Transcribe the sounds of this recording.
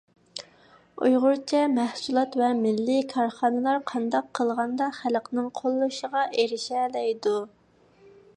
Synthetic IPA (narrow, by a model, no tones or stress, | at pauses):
ṵjʁʊɾt͡ʃʰɛmæhsulˠɑt̪vɛmɪlːɪkʰɑɾχɑːnɨlˠɑɾqʰɑnd̪ɑqʰːəlˠʁɑnd̪ɑχælqnɨŋqʰolˠːuʃəʁɑʔeɾɪʃɛlɛjd̪u